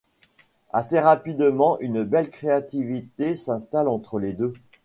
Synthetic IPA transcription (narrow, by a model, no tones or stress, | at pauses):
a̰seʁapid̪mɑ̃ʔynbɛlkχeat̪ivit̪esɛ̃st̪alɑ̃t̪χəled̪ø